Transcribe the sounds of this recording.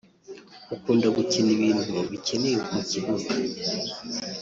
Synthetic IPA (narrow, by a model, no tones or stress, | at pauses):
ukuːndaɡuceniβiːnduaβicenejekmuciβuɾu